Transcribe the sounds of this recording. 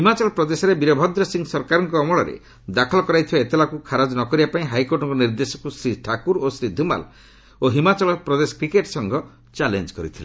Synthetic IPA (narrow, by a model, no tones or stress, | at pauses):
ɦimat͡ʃɔlɔpɾɔd̪esɔɾebiɾɔbʱɔd̪ɾɔsiŋɡsɔɾkaɾɔŋkɔːmɔɭɔɾḛ | d̪akʰɔlɔkɔɾajt̪ʰibaet̪elakukʰaɾad͡ʒnɔkɔɾibapaĩɦajkoɾʈɔŋkɔniɾd̪esɔ̥kusɾiʈʰakuɾosɾid̪ʱuma̰l | oɦimat͡ʃɔlɔpɾɔd̪esɔ̥kɾikeʈsɔŋɡɔ | t͡ʃalend͡ʒkɔɾit̪ʰilḛ